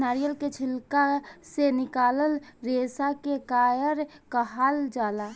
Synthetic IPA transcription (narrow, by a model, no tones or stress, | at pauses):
naːɾijəlket͡ʃʰɪlkasenɪkaːləlɾeːsakekaːjəɾkəɦaːld͡ʒaːla